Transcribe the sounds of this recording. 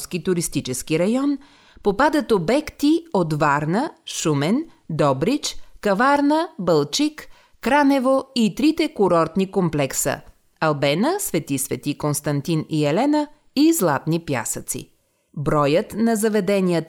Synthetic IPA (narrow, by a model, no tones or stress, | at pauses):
skit̪uɾist̪it͡ʃɛskiɾɐjɔn | popad̪ət̪obɛkt̪iot̪vaɾnəʃumɛn | d̪ɔbɾit͡ʃkɐvaɾnəbəlˠt͡ʃikː | ɾanɛvoit̪ɾit̪ɛkʊɾɔɾt̪nikomplɛksə̰ | ɐlˠbɛnəsvɛt̪isvɛt̪ikonst̪ɐnt̪iniɛlɛnə | izlˠat̪nipja̰sət̪sḭ | bɾɔjət̪nɐzɐvɛd̪ɛniət̪